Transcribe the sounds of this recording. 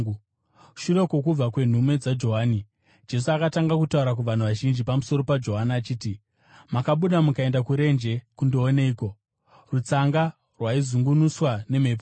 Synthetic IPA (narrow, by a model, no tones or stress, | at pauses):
ʃuɾo̞ko̞kub͡vakwe̞n̤ume̞d͡zad͡ʒo̞ɦaːni | d͡ʒe̞s̬uakataŋɡak̬utauɾakuʋan̤uʋaʒind͡ʒipamuso̞ɾo̞pad͡ʒo̞ɦaniat͡ʃiːti | makaɓuɗamukae̞ndakuɾe̞nd͡ʒe̞kundoːneiːko̞ | rut͡saŋɡa | rwaizuŋɡunuswane̞mepo